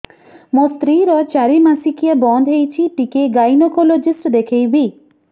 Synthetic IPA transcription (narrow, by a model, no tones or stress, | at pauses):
most̪ɾiɾɔt͡ʃaɾimasikiabɔnd̪ʱɦejt͡ʃʰiʈikeɡajnɔkolod͡ʒisʈd̪ekʰejbi